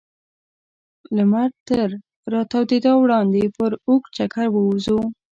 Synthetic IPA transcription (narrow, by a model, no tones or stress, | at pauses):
lamaɾt̪əɾ | ɾɑt̪awd̪ed̪ɑwɽɑnd̪epəɾukt͡ʃakaɾwəuzu